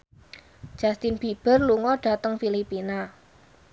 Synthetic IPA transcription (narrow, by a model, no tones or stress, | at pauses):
d̥ʒ̥ast̪ɪnb̥i̤b̥ə̤rluŋɔɖ̥ä̤t̪əŋfilipina